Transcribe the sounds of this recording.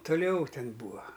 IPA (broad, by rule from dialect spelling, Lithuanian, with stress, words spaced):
tʊˈlʲɛʊ ˈtʲɛn ˈbuːɐ